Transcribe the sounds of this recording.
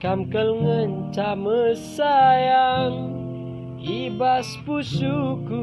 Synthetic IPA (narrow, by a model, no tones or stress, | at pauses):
kamkəlŋənt͡ʃaməsajaŋ | ibaspusuku